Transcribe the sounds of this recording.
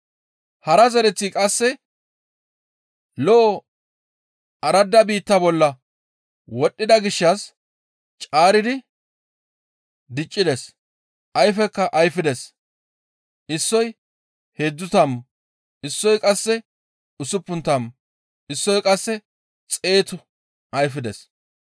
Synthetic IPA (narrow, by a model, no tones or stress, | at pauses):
hɐɾɐzɐɾɛt͡sːikʼɐsːɛ | lɔʔɔ | ɐɾɐd̪ːɐbiːt̪ːɐbɔlːɐ | wɔɗːɪd̪ɐɡɪʃːɐs | t͡ʃʼaːɾɪd̪ɪ | d̪ɪt͡ʃʼːɪd̪ɛs | ʔɐjfɛkːɐʔɐjfɪd̪ɛs | ɪsːɔj | heːd̪ːʊt̪ɐm | ɪsːɔjkʼɐsːɛ | ʊsʊpːʊnt̪ɐm | ɪsːɔjkʼɐsːɛ | t͡sʼe̞ːt̪ʊ | ʔɐjfɪd̪ɛs